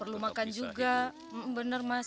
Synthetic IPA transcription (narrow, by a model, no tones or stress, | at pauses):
pərlumakand͡ʒuɡa | bənərma